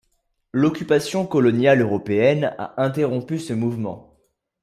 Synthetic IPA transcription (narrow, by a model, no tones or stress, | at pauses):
lɔkʲypasjɔ̃kɔlɔnjaløʁɔpeɛna̰ʔɛ̃t̪eʁɔ̃pysəmuvmɑ̰̃